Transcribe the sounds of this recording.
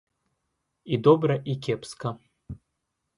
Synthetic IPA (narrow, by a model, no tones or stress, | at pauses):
id̪ɔbɾɐʔikʲɛpskɐ